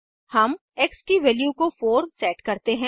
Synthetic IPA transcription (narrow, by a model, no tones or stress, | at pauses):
hɐm | eksʈiʋɛːljukofoːɾmsɛːʈkɐɾt̪eɦɛ̃